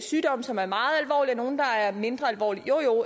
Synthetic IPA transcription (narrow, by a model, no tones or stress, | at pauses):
syːd̥ɒ̽m̰sɒ̽mæɐmɑ̈ːð̞̩ˠælʋɒ̰ːliæno̝ːn̩d̥ɑ̈æɐme̝nd̥ʁɐælʋɒ̰ːlijo̝jo